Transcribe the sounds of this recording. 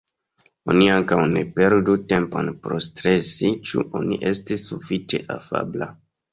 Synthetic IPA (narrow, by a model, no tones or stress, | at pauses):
o̞niaŋkawne̞pe̞ɾdute̞mpo̰npɾo̞stɾe̞sit͡ʃṵʔo̞niʔe̞stisːufit͡ʃe̞̰ʔafa̰bla